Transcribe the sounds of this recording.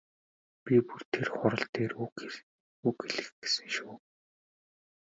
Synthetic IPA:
pʲipur̥t̪ʰerχʊɾə̆ɬt̪eːru | ukeɮɘ̆xɡe̥sɘ̆ŋʃuː

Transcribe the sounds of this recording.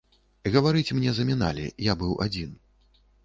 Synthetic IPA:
ɣɐvaɾɨt͡sʲmnʲɛzɐmʲina̰lʲḭjabɨwʔa̰d͡zʲin

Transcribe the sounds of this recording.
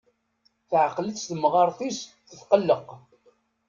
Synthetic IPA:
θʕqləsθəmʁɑɾˤθis | θəθqəlːəq

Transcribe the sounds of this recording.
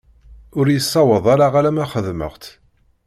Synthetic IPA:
ʊɾjəsˤːɑwəðˤaɾaʁaɾæmæχəðmə̰ʁt̪

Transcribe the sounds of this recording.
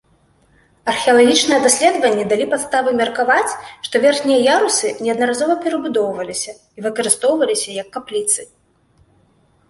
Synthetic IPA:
ɐrxʲɛɐlˠaɣʲit͡ʂnɨjɛd̪asʲlʲɛd̪vɐnʲːɛd̪alʲipat̪st̪avɨmʲɐrkavat͡sʲʂt̪ɔvʲɛrxnʲijɐjaɾusɨnʲɛɐd̪nɐɾazɔvɐpʲɛɾɐbud̪ɔwvɐlʲisʲɐ | ivɨkɐɾɨst̪ɔwvɐlʲisʲɐjɐkːaplʲit̪sɨ

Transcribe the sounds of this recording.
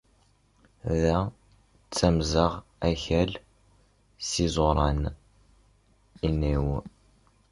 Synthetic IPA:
ðæ | t͡sːæmzəʁ | æçæl | sizˤoɾˤɑn | iniw

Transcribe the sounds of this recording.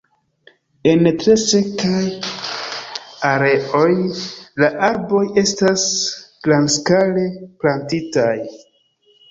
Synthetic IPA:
e̞ntɾe̞se̞kaj | aɾe̞o̞jlaʔaɾbo̞je̞stasɡ̥lanskale̞plantitaj

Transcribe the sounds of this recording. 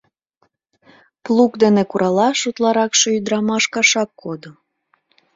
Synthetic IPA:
plukd̪enekuɾʔɑlɑʃut̪lɑɾɑkʃeyd̪ɾɑmɑʃkɑʃɑkːod̪o

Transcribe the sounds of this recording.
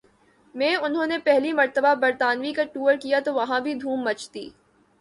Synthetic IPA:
mɛ̃ːʊnɦõːnepɛɦlimɐɾt̪əbabɐɾt̪aːnʋikaʈuːəɾkijat̪oʋɐɦãbʱid̪ʱũːmːɐt͡ʃt̪ḭː

